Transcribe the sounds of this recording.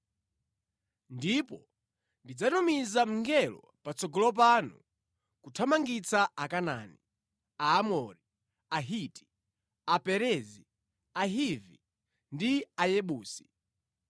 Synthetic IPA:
ndipɔ | ndid͡zanumizam̩ŋɡɛlɔ̰ | pat͡sɔɡɔlɔp̬anṵ | kutʰamaŋɡit͡saakana̰ːni | aamɔɾi | aɦiti̥ | apɛɾɛzi | aɦivi | ndiajɛɓuːsi̥

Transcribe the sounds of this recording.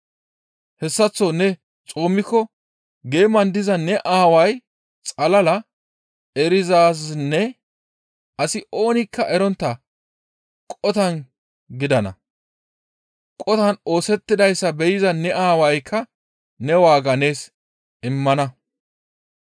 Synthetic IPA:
hɛsːɐt͡sːɔnɛ | t͡sʼoːmːɪkːɔ | ɡe̞ːmɐnd̪ɪzɐnɛʔaːwɐj | t͡sʼɐlɐlɐ | ɛɾɪzaːs̬nːɛ | ɐsɪʔo̞ːnɪkːɐʔɛɾɔnt̪ːɐ | kʼɔt̪ɐn | ɡɪd̪ɐnɐ̰ | kʼɔt̪ɐno̞ːsɛt̪ːɪd̪ɐjsːɐbɛjɪzɐnɛʔaːwɐjkʰːɐ | nɛwaːɡɐne̞ːs | ɪmːɐnɐ

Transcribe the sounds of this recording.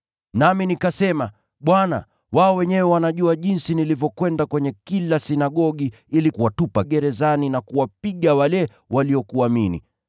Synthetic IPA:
naminikasɛma | ɓwana̰ | waɔwɛɲɛwɛwanaʄuaʄinsinilivjɔkwɛndakwɛɲɛkilasinaɠɔɠi | ilikuwatupaɠɛɾɛzaninakuwap̚iɠawalɛ | waliɔkuaminḭ

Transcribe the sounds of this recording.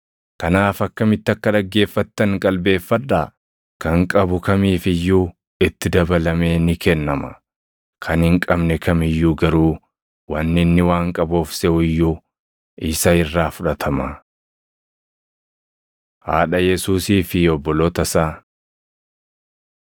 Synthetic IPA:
kɐnaːfɐkːɐmɪt̪ːɪɐkːɐᶑɐɡːe̞ːfːɐt̪ːɐŋkʼɐlbe̞ːfːɐᶑːaː | kɐŋkʼɐbʊkɐmiːfɪjːuː | ɪt̪ːɪd̪ɐbɐlɐmeːnɪkɛnːɐmɐ̥̰ | kʰɐnhɪŋkʼɐbnɛkʰɐmɪjːuːɡɐɾuː | wɐnːɪnːɪwaːŋkʼɐboːfsɛʔʊɪjːuː | ɪsɐɪrːaːfʊᶑɐt̪ʰɐmɐ | ha̰ːᶑɐjɛsuːsiːfɪɔbːɔlɔt̪ɐsaː

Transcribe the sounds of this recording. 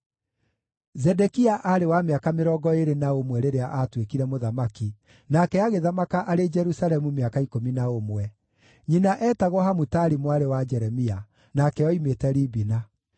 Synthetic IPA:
zɛdɛkiaʔaɾewameakameɾɔɡɔeɾenaomwɛɾeɾeaʔatwekiɾɛmoðamaki | nakɛaɣeðamakaʔaɾed͡ʒɛɾusalɛmumeakaikominaomwɛ | ɲinaʔɛːtaɣɔɦamutaɾimwaɾewad͡ʒɛɾɛmia | nakɛjɔimetɛɾibina

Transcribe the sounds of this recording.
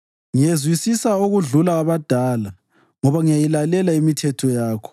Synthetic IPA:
ŋijezwisisaoɣuɮulaːβad̥ʱaːla | ŋɔβaŋijajilalɛlaimitʰɛtʰɔjaːkʰɔ̥

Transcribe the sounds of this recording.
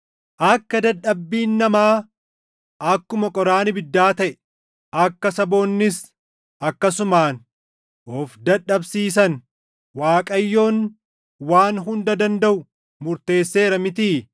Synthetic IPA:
ʔɐkːɐd̪ɐᶑɐbːiːnːɐmaː | ʔɐkːʊmɐkʼɔɾaːnɪbɪd̪ːaːt̪ɐʔɛ | ʔɐkːɐsɐbo̞ːnːɪs | ʔɐkːɐsʊmaːn | ʔɔfd̪ɐᶑːɐbsiːs̬ɐn | waːkʼɐjːo̞ːn | waːnɦʊnd̪ɐd̪ɐnd̪ɐʔʊ | mʊɾt̪e̞ːsːe̞ːɾɐmɪt̪̬iː

